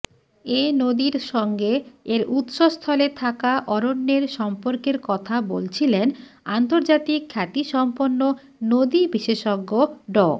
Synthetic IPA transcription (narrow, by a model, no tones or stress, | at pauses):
enod̪iɾʃɔŋɡeeɾut̪ʃost̪ʰɔlet̪ʰakaʔɔɾonːeɾʃɔmpoɾkeɾkɔt̪ʰabolt͡ɕʰilen | ant̪oɾd͡ʑat̪ikʰːat̪iʃɔmponːo | nod̪ibiʃeʃɔɡːoɖɔ